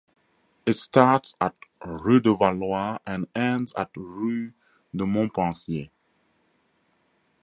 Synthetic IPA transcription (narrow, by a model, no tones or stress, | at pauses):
ɪtstatsat̚ɹudəvalwaɛ̃nɛ̃ndza̰t̚ɹu | dəmɔ̃pɑ̃sje